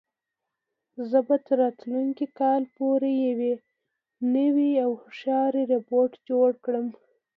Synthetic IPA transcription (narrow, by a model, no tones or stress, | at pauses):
zəbat̪əɾːɑt̪luŋkikɑlpoɾejawe | nəwiawhʂɑɾiɾepoɾʈd͡ʒoɽkɽəm